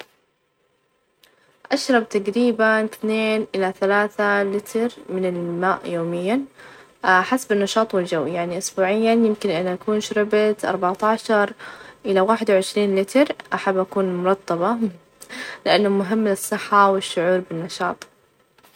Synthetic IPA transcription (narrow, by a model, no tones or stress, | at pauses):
ʔaʃɾˤɑb̚t̪aɡɾiːbanθneːnʔɪlaθalaːθalɪt̪ʰɾmɪnɪlmaːʔjoːmɪjːa | ʔħasbɪnːɑʃɑːt̪ˤwɪld͡ʒawːjaʕniʔʊsbuːʕɪjːanjɪmkɪnʔɪnːʔakuːnʃɾɪbat̪ʔɑ̰ɾˤbaʕt̪aːʃɑɾˤʔɪlawaːħɪd̪wʕɪʃɾiːnlɪt̪ɾʔaħabːʔakuːnmʊɾˤɑt̪ˤːɑbɑ | lɪʔanːamʊɦɪmːɪnɨsˤːɨħːawɪʃːʊʕuːɾbɪnːɑʃɑːt̪ˤ